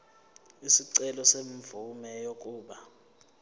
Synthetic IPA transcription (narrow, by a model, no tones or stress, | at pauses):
isiǀɛlɔseɱvumɛjok̬ʼuːɓa